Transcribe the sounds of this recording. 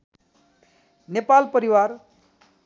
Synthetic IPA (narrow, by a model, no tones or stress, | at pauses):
nepalpʌɾiwar